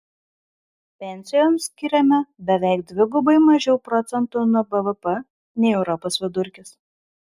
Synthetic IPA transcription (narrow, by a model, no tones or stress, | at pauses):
pʲɛnʲsʲɪjoːmsʲkʲɪɾʲɛmʲɛbʲɛʋʲɛˑɪk̚d̪ʲʋʲɪɡʊbɐɪmɐʒʲɛʊpɾɔt̪sʲɛnt̪unuɔbɛʋəpɛ | nʲɛɪɛʊɾɔpoːsʋʲɪd̪ʊɾʲkʲɪs